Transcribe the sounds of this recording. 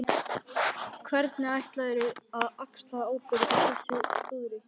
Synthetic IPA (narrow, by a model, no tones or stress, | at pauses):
kʰvɛɾt̪nɪajht̪laðɾɪaðakslaðaːwpɪɾaθɛsɪpuːɾɪ